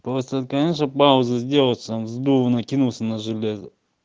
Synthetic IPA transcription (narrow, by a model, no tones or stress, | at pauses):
posʲt̪ət̪kɐnʲeʂnəpaʊzəzʲdʲelˠəsət̪amzd̪uvənəkʲinulˠsʲənəʐɨlʲezʲə